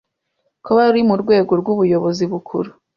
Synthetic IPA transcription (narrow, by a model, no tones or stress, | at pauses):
kʰoβaɾimuɾɡwe̞ːɡo̞ɾɡwuβujo̞βo̞ziβukʰuɾu